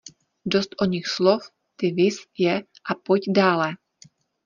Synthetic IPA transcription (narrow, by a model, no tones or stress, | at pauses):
dost̪ʔoɲɪxslof | t̪ɪvɪsjɛ | ʔapocdaːlɛ